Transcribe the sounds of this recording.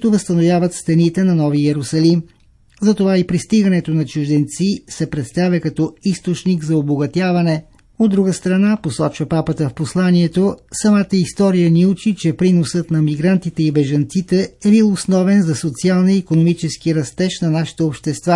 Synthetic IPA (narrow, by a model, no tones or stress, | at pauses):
kit̪ʊvəst̪ɐnovjavət̪st̪ɐnit̪ɛnɐnɔviɛɾʊsɐlim | zɐt̪ovaipɾist̪iɡɐnɛt̪onɐt͡ʃʊʒd̪ɛnt̪sisɛpɾɛt̪st̪avʲjɐkɐt̪ɔist̪ot͡ʃniɡzɐoboɡɐt̪ʲjavɐnɛ | od̪ːɾuɡəst̪ɾɐnaposɔt͡ʃvəpapət̪əfposlˠaniɛt̪osɐmat̪əist̪ɔɾijəniut͡ʃit͡ʃɛpɾinosət̪nɐmiɡɾant̪it̪ɛibɛʒɐnt̪sit̪ɛɛbilˠosnɔvɛnzɐsot̪sialˠnəːkonomit͡ʃɛskiɾɐst̪ɛʃnɐnaʃi̥t̪ɛopʃt̪ɛst̪va